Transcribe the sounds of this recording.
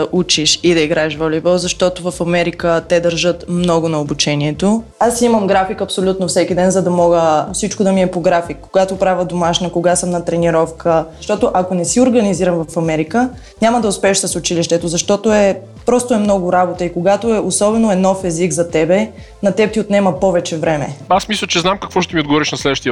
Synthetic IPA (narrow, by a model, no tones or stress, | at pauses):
ɐʔut͡ʃiʃid̪ɐiɡɾaɛʃvɔlʲibɔzɐʃt̪ɔt̪ovɐfɐmɛɾikət̪ɛd̪ɐɾʒɤt̪mnɔɡʊnɐobut͡ʃɛniɛt̪oasimɐmɡɾafikɐpsolʲut̪nofsɛkid̪ɛnzɐd̪ɐmɔɡəfsit͡ʃkod̪ɐmiɛpoɡɾafikːoɡat̪opɾavʲəd̪omaʃnɐkoɡasəmnɐt̪ɾɛniɾɔfkʰəʃt̪ɔt̪oʔɐkonɛsioɾɡɐniziɾɐmvɐfɐmɛɾikə | nʲamɐd̪ɐʊspɛɛʃsəsʊt͡ʃiliʃt̪ɛt̪ozɐʃt̪ɔt̪oɛ | pɾɔst̪ʊɛmnɔɡʊɾabot̪əikoɡat̪oɛʔosɔbɛnoɛnɔfɛziɡzɐt̪ɛbɛ | nɐt̪ɛp̚t̪iot̪nɛmɐpɔvɛt͡ʃɛvɾɛmɛ̰asmislʲˠət͡ʃɛznamkɐkvɔʃt̪ɛmiod̪ɡovɔɾiʃnɐslɛd̪əʃt̪iə